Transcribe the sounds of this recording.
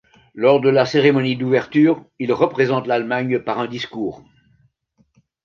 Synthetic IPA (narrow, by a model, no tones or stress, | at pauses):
lɔʁd̪əlaseʁemɔnid̪uvɛʁt̪yːʁ | ilʁəpχezɑ̃t̪lalmaɲpaʁɛ̃d̪iskuːʁ